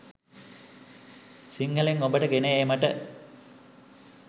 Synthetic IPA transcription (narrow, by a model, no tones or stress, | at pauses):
siŋɡəleŋobəʈəɡeneeːmaʈə